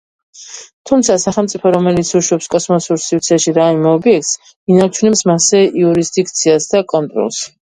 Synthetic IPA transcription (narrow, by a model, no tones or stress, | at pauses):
t̪ʰumt̪sʰasaχɛlˠmt̪sʼipʰɔɾɔmɛlit̪sʰuʃwɛpskʼɔsmɔsuɾsivt̪sʰɛʃiɾaimɛɔbiɛks | inaɾt͡ʃʰunɛpsmasɛiuɾisd̪ikʰt̪sʰiasd̪akʼɔnt̪ʼɾɔ̰lˠs